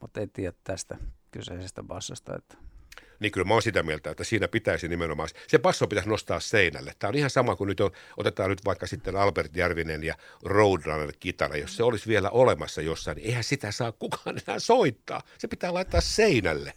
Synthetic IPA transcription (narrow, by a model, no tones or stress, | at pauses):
mut̪ːeit̪iːjæt̪t̪æst̪ækyseisest̪æpɑsːɑst̪ɑ̰ḛt̪ː | niːkylmæoːnsit̪æmielt̪æet̪ːæsiːnæpit̪æisinimenomɑːssepɑsːopit̪æsnost̪ɑːsseinæ̰lːḛtt̪æːonihɑnsɑmɑkunyt̪onʔo̰t̪et̪ɑːnnyt̪ʋɑikːɑsit̪ːenɑlpert̪jærʋinenjɑroudrɑnelkit̪ɑ̰nɑ̰josseolisʋielæ̰ʔolemɑsːɑjosːɑinieihænsit̪æsɑːkkukɑ̥ːnenæ̰ːsoit̪ːɑ̰ːsepit̪æːlɑit̪ːɑsseinæ̰lːe